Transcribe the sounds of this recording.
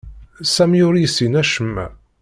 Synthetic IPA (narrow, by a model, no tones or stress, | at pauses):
sæmjʊɾijsinæʃəmːæ̰